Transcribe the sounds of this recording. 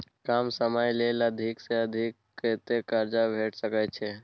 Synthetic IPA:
kaːmsəməjleləd̪ʱikseəd̪ʱikːet̪ekəɾd͡ʒabʱeːʈʰsəkɛt͡ʃʰe

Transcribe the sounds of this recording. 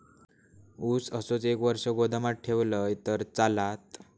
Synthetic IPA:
usəsot͡sekʋəɾʂəɡod̪ʱamaʈ̚ʈʰeʋləjt̪əɾt͡salat̪

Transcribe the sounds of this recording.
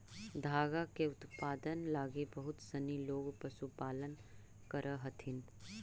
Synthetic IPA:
d̪ʱaːɡakeʊt̪paːd̪ənlaːɡebɐɦʊt̪səniloːɡpəsupaːlən | kəɾʔəɦɐt̪ʰɪn

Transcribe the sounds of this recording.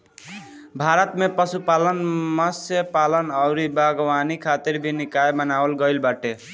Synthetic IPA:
bʱaɾət̪mepʌsupalənmʌsjəpalənʌwɾibaɡwanikʰat̪iɾbʱinikajmʌnawəlɡʌjlbaʈe

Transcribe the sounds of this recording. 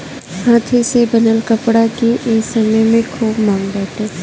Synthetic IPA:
hãːt̪ʰesebɐnəlkəpɽakeʔeːksɐməjmẽkʰoːbmãːŋɡbɛːʈeː

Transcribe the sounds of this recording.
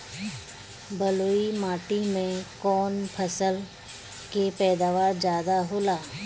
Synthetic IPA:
bəloːimaːʈimẽkɔːnpʰəsəl | kepɛːd̪aːʋaːɾd͡ʒjaːd̪aɦoːlaː

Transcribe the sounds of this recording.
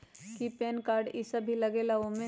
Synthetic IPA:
kipɛːnkaːɾɖɪsəbʱilɐɡelaʋõmẽ

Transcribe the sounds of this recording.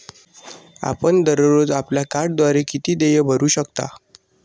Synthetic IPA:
a̰pəɳd̪əɾɾod͡zapljakaɾɽd̪ʋaɾekit̪iːd̪ejəbʱəɾuːɕəkt̪a̰

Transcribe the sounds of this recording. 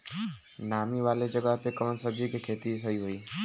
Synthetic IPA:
namiʋaled͡ʒəɡat̪ekənsəɡikekʰet̪isəiɦoiː

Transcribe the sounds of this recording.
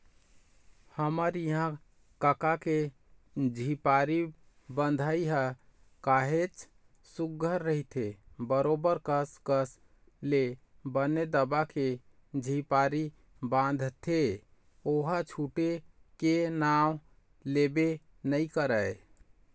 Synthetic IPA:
həməɾiɦã | kəkake | d͡ʒʱipaɾi | bənd̪ʱaiɦə | kaɦet͡ʃ | suɡʱəɾːəɦit̪ʰebəɾobəɾkəskəs | le | bəned̪əbake | d͡ʒʱipaɾi | bãnd̪ʱt̪ʰe | oɦət͡ʃʰuʈekenaw | lebe | nəjkəɾəj

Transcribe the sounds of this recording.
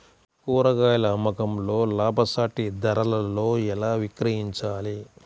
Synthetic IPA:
kuːɾɐɡaːjlɐmɐkɐmlo̞ːlaːbʱɐsaːʈid̪ɐɾɐlɐlo̞ːɛlaːʋikɾɐɦiɲt͡ʃaːli

